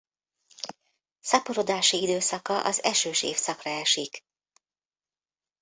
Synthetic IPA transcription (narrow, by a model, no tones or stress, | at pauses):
sɒpoɾod̪aːʃiid̪øːsɒkɒʔɒzɛʃøːʃḛːfsɒkrɒɛʃik